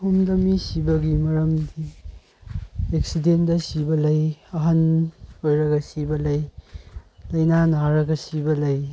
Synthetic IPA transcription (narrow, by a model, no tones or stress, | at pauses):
humdɐmisibɐɡimɐɾɐmdi | ek̚sidendɐsibɐlɐjɐɦɐnojɾɐɡɐsibɐlɐj | lɐjnanaɾɐɡɐsibɐlɐj